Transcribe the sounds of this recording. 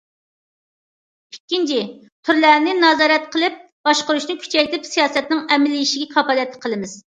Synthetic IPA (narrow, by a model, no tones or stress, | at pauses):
ikʲːint͡ʃʰi | t̪ʰyɾlæɾnɪnɑzɑːɾɛt̪̚qʰəlˠɪp̚ | b̥ɑʃqʊɾuʃnɨkʲʰy̥t͡ʃʰɛjt̪ʰɪpsijɑːsɛt̪̚nɪŋɛmɪlːɪjiʃɪɡʲɛkʰɑpɑlˠɛt̪ʰːqʰəlˠɨmɪz̥